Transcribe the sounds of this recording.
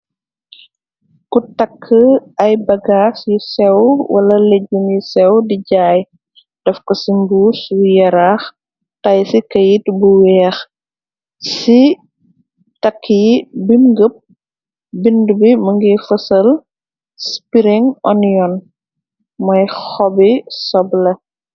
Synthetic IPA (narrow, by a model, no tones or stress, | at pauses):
kutɐkʰːəɐjbɐɡaːsjisɛwwɐ̰lɐleɟːumjusɛwdiɟaːj | d̥ɐfkɔsimbuːswujɐɾaːx | tɐjsikɐjitbuwɛːx | si | tɐkʰːijibimɡəp̚ | bindubimɐŋɡifɐsɐl | spiɾiŋɔnjɔn | mɔjxɔbisɔblɐ